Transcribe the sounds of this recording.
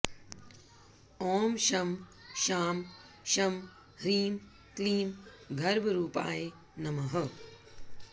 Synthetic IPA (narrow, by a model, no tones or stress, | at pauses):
ɔːmʃɐmʃaːm | ʃɐm | hɾiːm | kliːm | ɡʱɐɾbʱɐɾuːpa̰ːje | nɐmɐɦɐ